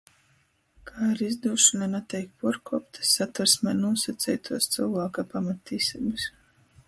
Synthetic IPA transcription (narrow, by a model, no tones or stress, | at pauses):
kʰaːiɾizd̪uːʃunanat̪ɛjkpuɾkuːpt̪ɨ̥sat̪aɾsmɛːnuɔsat̪sʲɛjt̪ʰuɔst̪sɨwvaːkapamat̪ːisibɨs